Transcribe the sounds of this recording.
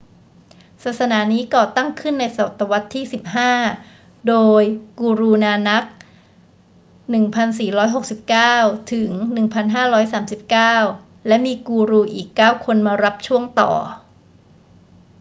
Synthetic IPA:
saː˨˩t̪̚sa˧naː˩˦niː˦˥kɔː˨˩t̪a˥˩ŋkʰɯ˥˩nːa˧jsa˨˩wa˨˩t̪ːa˧wa˦˥t̪ʰːiː˥˩si˨˩p̚ɦaː˥˩ | doː˧jkuː˧ɾuː˧naː˧na˦˥k̚ | nɯ˨˩ŋpʰa˧nsiː˨˩ɾɔː˦˥jɦo˨˩k̚si˨˩p̚kaː˥˩wt̪ʰɯ˩˦ŋnɯ˨˩ŋpʰa˧nɦaː˥˩ɾɔː˦˥jsaː˩˦msi˨˩p̚kaː˥˩w | lɛ˦˥miː˧kuː˧ɾuː˧ʔiː˨˩kːaː˥˩wkʰo˧nmaː˧ɾa˦˥p̚t͡ɕʰu˥˩əŋt̪ɔ̰ː˨˩

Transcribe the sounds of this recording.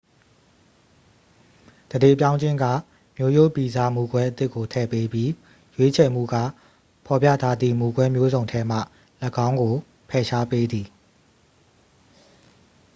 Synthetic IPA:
d̥əde˦˨pjã˦ʊ̃ɲd͡ʑɪ̃˦ŋɡä̰˦˨ | mjo˦jo˦˨pi˨za˦˨mu˨ɡwɛ˦ʔət̪ɪ˦ʔkːo˨tʰɛ˦˨pe˦bji˦ | jwe˦t͡ɕʰɛ˨m̥ṵ˦˨ɡä̰˦˨ | pʰɔ˨pjä̰˦˨tʰa˦d̪ðḭ˦˨mu˨ɡwɛ˦mjo˦zõ˨ʊ̃tʰɛ˦m̥a̰˦˨ | ləɡã˦ʊ̃ŋɡo˨ | pʰɛ˨ʃa˦pe˦d̪i˨

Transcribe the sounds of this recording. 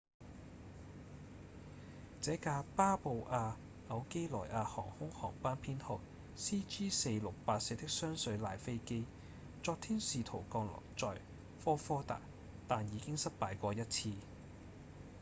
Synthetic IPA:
t͡sɛː˨˥kaː˧paː˥po˨˧wʔaː˧ | ɐ˨˧wke˥jlɔː˨˩jʔaː˧hɔ̰ː˨˩ŋhʊ˥ŋhɔ̰ː˨˩ŋpaː˥npʰiː˥nhʊ˨k̚ | siː˥t͡ʃiː˥se˧jlʊ˨k̚paː˧t̚se˧t̪ɪ˥k̚sœː˥ŋsɵ˨˧ɥlaː˨˩jfe˥jke˥j | t͡sɔː˧k̚t̪ʰiː˥nsiː˨t̪ʰo˨˩wkɔː˧ŋlɔ̰ː˨˩kt͡sɔː˨j | fɔː˥fɔː˥t̪a̰ː˨˩k̚ | t̪aː˨njiː˨˧kɪ˥ŋsɐ˥t̚paː˨˧jkʷɔː˧jɐ˥t̚t͡sʰiː˧

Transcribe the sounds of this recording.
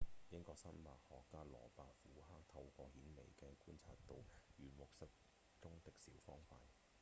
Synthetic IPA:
jɪ˥ŋkɔː˧k̚sɐ˥nmaː˨t̚hɔː˨kːaː˥lɔ̰ː˨˩paː˨˧k̚fuː˨˥ɦaː˥k̚t̪ʰɐ˧wkʷɔː˧hiː˨˥nlḛ˨˩jkɛː˧kuː˥nt͡sʰa̰ː˧t̚t̪o˨wjyː˨˩mʊ˨k̚sɐ˥k̚ | t͡sʊ˥ŋt̪ɪ˨k̚siː˨˥wfɔː˥ŋfaː˧t̚

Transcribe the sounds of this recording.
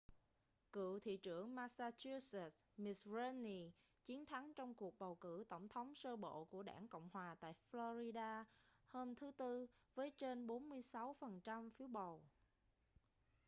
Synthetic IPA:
kɨ̰˧˨t̪ʰḭ˧˨t͡ɕɨ˧˩əŋmaː˧saː˧t͡ɕu˧sɛ˨˩t̚ | mi˨˩sɹe˧ni˧˩ | t͡ɕi˨˦ənt̪ʰa˨˦ŋt͡ɕɔ˧wŋ͡mku˨˩ək̚ɓə˨˩wkɨ̰˧˩t̪ə˧˩wŋ͡mt̪ʰə˨˦wŋ͡msəː˧ɓo̰˧˨ku˧˩əɗa̰ː˧˩ŋkə̰˧˨wŋ͡mhwaː˨˩t̪a̰ː˧˨jflo˧zi˧ɗaː˧həː˧mt̪ʰɨ˨˦t̪ɨ˧vəː˨˦jt͡ɕe˧nɓo˨˦nmɨ˧əjsa˨˦wfə˨˩nt͡ɕa˧mfi˨˦əwɓə˨˩w

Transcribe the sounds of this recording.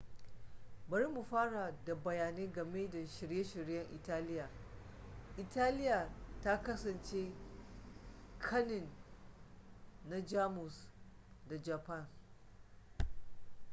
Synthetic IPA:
bɐ˨ɾi˦mu˨ɸaː˦ɽa˨da˨bɐ˨jaː˨neː˦ɡɐ˨meː˦da˨ʃɪ˨ɾje˦ʃɪ˨ɽjɐ˦ŋʔɪ˨taː˦lɪ˦jaː˨ | ʔɪ˨taː˦lɪ˦ja˨ta˦kɐ˦sɐ˨nt͡ʃeː˦ | kʰɐ˦nɪ˨n | a˦d͡ʒaː˦mʊ˨s | da˨d͡ʒa˨pa˦˨n

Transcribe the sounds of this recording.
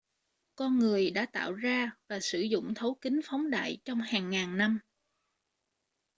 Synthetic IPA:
kɔ˧nŋɨ˨˩əjɗa̰ː˧˥t̪a̰ː˧˨wzaː˧vaː˨˩sɨ˧˩zʊ̰˧˨ŋ͡mt̪ʰə˨˦wkï˨˦ŋ̟fɔ˨˦wŋ͡mɗa̰ː˧˨jt͡ɕɔ˧wŋ͡mhaː˨˩ŋːaː˨˩ŋna˧m

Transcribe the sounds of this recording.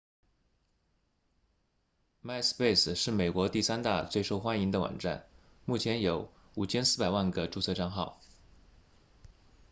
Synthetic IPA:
ma˥˧ɪspe˥˩ɪsʂɻ̩˥˩me˨˩ɪkwɔ˧˥t̪i˥˩sa˥nt̪a̰˥˧t͡swe˥˧ɪʂo˥˧ʊxwa˥ni˧˥ŋd̪ə˧wɑ̰˨˩ŋʈ͡ʂa̰˥˩n | mu˥˩t͡ɕʰjɛ˧˥njo˧˥ʊ | u˨˩t͡ɕʰjɛ˥nsɹ̩˥˩pa˨˩ɪwa˥˩nɡə˩ʈ͡ʂu˥˧t͡sʰɤ˥˧ʈ͡ʂɑ˥˧ŋxɑ˥˩ʊ

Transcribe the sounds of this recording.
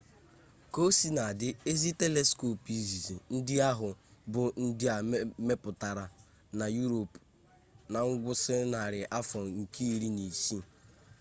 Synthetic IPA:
ko˦si˦na˨a˨dɪ˦e˦zi˦te˦le˦sko˨pi˨zi˨zi˨n̩˦dɪ˦a˦ɦʊ˨bʊ˨n̩˦dɪ˦a˨me˦pʊ˨ta˨ɾa˨ | na˨ju˦ɾo˨p | na˨ŋ̩˦ɡʷʊ˦sɪ˦na˨ɾɪ˨ʔa˦fɔ˨ŋ̩˨ki˦˨ɾi˦ni˨si˦

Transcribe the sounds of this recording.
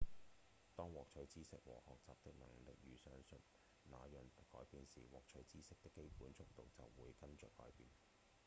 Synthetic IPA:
t̪ɔː˥ŋwɔː˨k̚t͡ʃʰɵ˨˥ɥt͡siː˥sɪ˥k̚wɔ̰ː˨hɔː˨k̚t͡saː˨p̚t̪ɪ˥k̚nɐ˨˩ŋ˨lɪ˨k̚jyː˨˧sœː˥ŋsɵ˨n | naː˨˧jœː˨˩ŋkːɔː˨˥jpiː˨nsiː˨˩wɔː˨k̚t͡ʃʰɵ˨˥ɥt͡siː˥sɪ˥k̚t̪ɪ˥kːe˥jpuː˨˥nt͡sʰʊ˥k̚t̪o˨wt͡sɐ̰˨wːuː˨˧jkɐ˥nt͡ʃœː˨kːɔ̰ː˨˥jpiː˨n

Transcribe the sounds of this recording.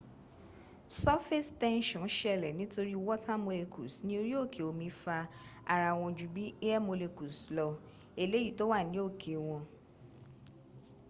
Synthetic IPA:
sɔ˦fe˦stɛ̃˦nʃɔ̃˨˦ʃɛ˦˧˨lɛ˨nĩ˦to˧ɾi˦wɔ˦tʰa˦mo˧le˧kʰu˨snĩ˦o˧ɾi˦o˦˨kʰe˨o˨mĩ˧˦fa˧a˨ɾa˧w̃ɔ̃˧d͡ʒu˨bi˨˦e˦ɛ˦mo˧le˧ku˨slɔ˧ | e˧le˨˦ji˦˨to˦wa˦˨nĩ˨˦o˦˨kʰe˨w̃ɔ̃˧

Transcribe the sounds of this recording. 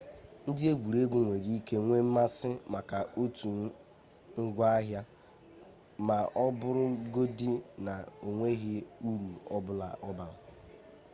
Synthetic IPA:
n̩˦dɪ˦e˦ɡʷu˨ɾe˦ɡʷu˨ŋʷe˨ɾi˦ke˦ŋʷe˦m̩˦ma˦sɪ˦ma˨ka˨o˦tu˨˦ | ŋ̩˦ɡʷa˦a˦ɦja˦ | ma˨ʔɔ˦bʊ˦ɾʊ˦ɡo˦di˦na˨o˨ŋʷe˦ɣɪ˦u˦ɾu˨ɔ˦bʊ˦la̰˨ʔɔ˦ba˨la˨

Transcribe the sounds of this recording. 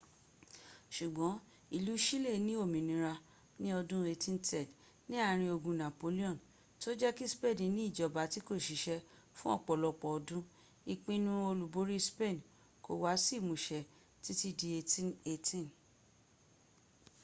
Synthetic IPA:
ʃu˨ɡ͡bɔ̃˨˦ | i˨lu˨˦ʃi˦le˦˨nĩ˦o˦˨mĩ˨nĩ˧˦ɾa˧ | nĩ˦ɔ˧dũ˦e˧tĩ˦ntʰɛ˦˨d | nĩ˦a˦˨ɾ̃ĩ˧o˧ɡũ˧nã˨po˨˦li˦ɔ̃˦˨n | to˦d͡ʒɛ˦ki˦spe˦˨dĩ˨nĩ˦i˦˨d͡ʒɔ˨ba˨˦ti˨˦ko˦˨ʃi˨˦ʃɛ˧ | fũ˦ɔ̰˦˨k͡pɔ˨lɔ˧k͡pɔ˨ɔ˧dũ˦ | i˧k͡pĩ˧nũ˧˦o˧lu˨bo˨˦ɾi˦spe˦˨n | ko˨wa˨˦si˦˨mũ˨ʃɛ˨ | ti˦ti˦di˧e˧tĩ˦ne˧tĩ˦˨n

